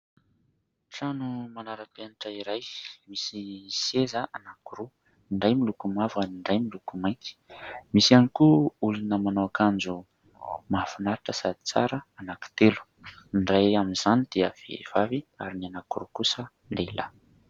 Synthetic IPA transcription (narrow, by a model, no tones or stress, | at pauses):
ʈ͡ʂanumanaɾapeniʈ͡ʂəiɾajmisisezəʔanakuɾu | iɳɖ͡ʐajmilukumavuaniɳɖ͡ʐajmilukumajki̥misianikuulunəmanawakand͡zu | mafunaɾiʈ͡ʂəsad̪i̥t͡sa̰ɾəanaki̥t̪elu̥ | inɖ͡ʐajaminzanid̪̥iəv̥ḛv̥aviaɾinianakuɾukusə | lela̰